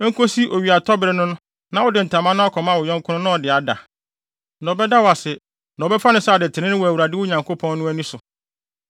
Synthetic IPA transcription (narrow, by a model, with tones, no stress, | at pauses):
ŋ̩˦kʰo˦si˦ʔo˨ɥi˨a˨tʰɔ˦bɪ˨ɾɪ˦nʊ̃˦nʊ̃˦ | nã˨wʊ˦dɪ˨n̩˨tʰã˨mã˦nã˦ɔ˦kʰɔ˨mã˦wʊ˨ɲɔ̃˦ŋ˦kʰʊ̃˦nʊ̃˦nʊ̃˦ɔ˨dɪ˨a˨da̰˨ | nɔ̃˨bɛ˦da˦wa˨sɛ˨ | nɔ̃˨bɛ˦fa˦nɪ̃˦sa˨dɪ˨tʰɪ˨nɪ̃˦nɪ̃˦wæ˨wu˨ɾa˨dɪ˦wʊ˦ɲã˨ŋkʰo˦pʰɔ̃˦nːʊ̃˦æ˦nĩ˦sʊ˨